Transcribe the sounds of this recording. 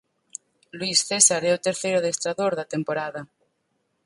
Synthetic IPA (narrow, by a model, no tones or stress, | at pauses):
lwisθesaɾɛot̪eɾθejɾoðest̪ɾaðoɾðɐt̪empoɾaðɐ